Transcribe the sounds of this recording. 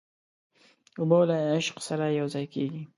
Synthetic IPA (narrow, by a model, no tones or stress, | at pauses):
ʊbolaɪʃqsaɾajawzajkeɡi